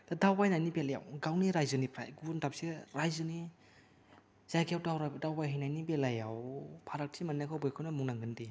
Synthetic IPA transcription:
d̥adawbajnajnibelaja̰wɡawniɾajzɯnipʰɾa̰jɡuntapseɾajzɯni | z̥ajkʰawdawɾadawbajɦajnajnibelajawpʰaɾak̚tʰimanːakʰawbɯjkʰɯwnamuŋnaŋɡɯndi

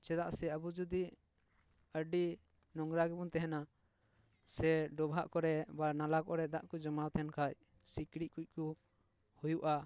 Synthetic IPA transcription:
t͡ʃɛd̪aʔsɛəbud͡ʒud̪i | əɖi | nɔŋɡɾaɡɛbunt̪ɛɦɛna | sɛɖɔbʱaʔkɔɾɛbanalakɔɾɛd̪aʔkɔd͡ʒɔmawt̪ʰɛnkʰac̚ | sikɽic̚kuc̚ˀku | hujuʔa

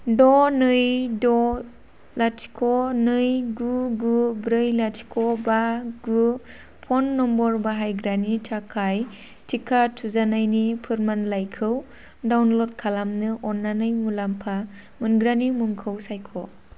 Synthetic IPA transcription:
dɔnɯjdɔ | latʰi̥kʰɔnɯjɡuɡubɾɯjlatʰi̥kʰɔbaɡu | pʰɔnːɔmbɔɾbaɦajɡɾanitʰakʰaj | tʰikʰatʰuzanajnipʰɯɾmanlajkʰɯw | dawnlot̚kʰalamnɯʔɔnːanɯjmulampʰa | mɯnɡɾanimuŋkʰɯwsajkʰɔ

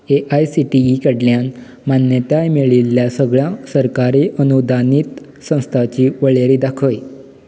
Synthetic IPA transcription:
eʔajsiʈiikəɽljan | manjət̪aemeɭilːjasəɡɭjãsəɾkaɾiʔənud̪ʱaniːt̪ | sə̃w̃st̪ʰat͡ɕiːʋəɭeɾid̪akʰəj

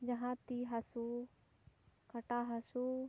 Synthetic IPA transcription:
d͡ʒɐɦãt̪iɦɐsu | kɐʈaːɦɐsu

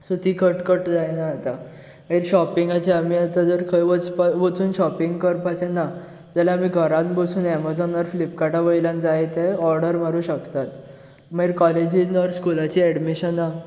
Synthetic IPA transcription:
sut̪ʰiːkʰəʈkəʈd͡zajnaat̪a | miɾɕɔpĩŋɡat͡ɕeamiːat̪ad͡zəɾkʰəjʋət͡spaʋət͡suːnɕɔpiŋɡkəɾpat͡ɕena | d͡zalaamiːɡʱəɾãnbəsuːnɛmad͡zɔnəɾflipkaʈaʋəjlãnd͡zajet̪eɔɾɽəɾm̤aɾũːɕəkt̪at̪ | miɾkɔled͡ʑinəɾskulat͡ɕiːɛɽmiɕəna

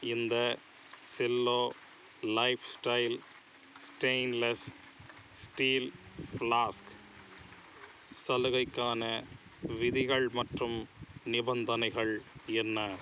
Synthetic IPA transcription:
ɪnd̪ɐ | sɪlːoː | lɐɪfsʈɐɪl | sʈeɪnlɐs | sʈiːlflaːsk | sɐlɯɣɐɪkːaːnɐ | ʋɪðɪɣɐɭmɐʈrɯmnɪbɐnd̪ɐnɐɪɣɐɭɛnːɐ

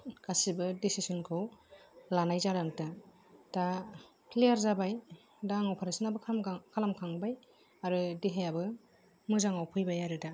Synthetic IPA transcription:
kasibɯdisisɔnkʰɯwlanajzaɾaŋta | ta | kʰlijaɾzabaj | daŋɔwpʰaɾasɯnabɯkʰalamkʰaŋbaj | aɾɯdiɦajabɯ | mɯzaŋawpʰɯjbajaɾɯda

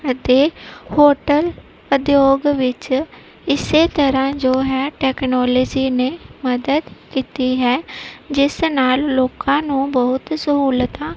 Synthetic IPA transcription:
ət̪eːhoːʈəl | ʊd̪joːɡʋɪt͡ʃ | ɪseːt̪əɾãːd͡ʒoːɦɛːʈɛːknɔːləd͡ʒiːneːməd̪əd̪kiːt̪iːɦɛːd͡ʒɪsnaːlloːkãːnũːbəɦʊt̪səɦuːlət̪ãː

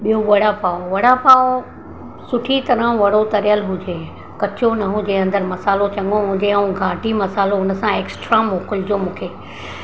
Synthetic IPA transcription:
ɓijoʋɐɽ̤apaːoʋɐɽ̤apaːo | sʊʈʰit̪ɐɾə̃ʋɐɽot̪ɐɾjəlɦʊd͡ʑeː | kɐt͡ɕonɐɦʊ̃d͡ʑeɐ̃nd̪əɾmɐsaːlot͡ɕɐ̃ŋɡõɦʊ̃d͡ʑeũɡʱaːɖʱimɐsaːloʊnə̆sãeːksʈɾamoːkʊld͡ʑomũːkʰeː

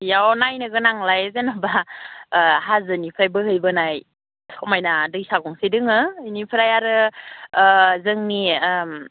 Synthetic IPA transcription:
jawnajnɯɡɯnaŋlajzenɔba | ɦazɯnipʰajbɯɦɯjbɯnaj | sʰɔmajnadɯjsaɡɔŋsidɯŋɯnipʰɾajaɾɯ | zɯŋnim

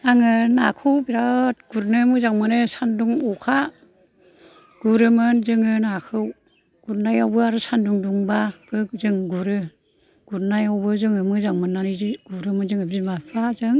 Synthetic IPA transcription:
aŋɯnakʰɯwbiɾat̚ɡ̥uɾnɯmɯzaŋmɯnɯsanduŋɔkʰa | ɡ̥uɾɯmɯnzɯŋɯnakʰɯw | ɡ̥uɾnajawbɯaɾusanduŋduŋbab̥ɯk̚zɯŋɡuɾɯ | ɡ̥uɾnajawbɯzɯŋɯmɯzaŋmɯnːaɾiziɡ̥uɾɯmɯnzɯŋɯbzimabazɯŋ

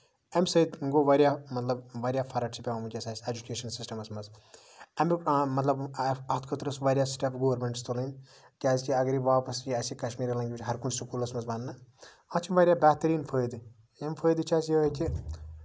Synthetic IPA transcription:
ɐmsɐid̪ŋɡoːʋɐɾjaːmɐt̪lɐbʋɐːɾjaːfʰɐɾɐʈt͡ʃʰipʲɐʋamut͡ʃʲɐsaːsʲed͡ʒukeːʃɐnsisʈɐmɐsmɐz | ɐmmɐt̪lɐbɐt̪ʰkʰɐt̪ɾɐsʋɐːɾʲjaːsʈaːpʰɡoːɾmʲeɳʈst̪olːn | kʲaːzʲkʲiɐɡɾiʋaːpɐsiɐsikɐʃmiːɾilɐ̃ŋɡʲiʋit͡ʃʰʲɦɐɾkunsukuːlɐsmɐzbɐnnɐ | at͡ʃʰimʋɐɾʲjaːbʲaːt̪ɐɾiːnfʰəːjd̪i | empʰəːjd̪it͡ʃʰaːsjioːkʲi

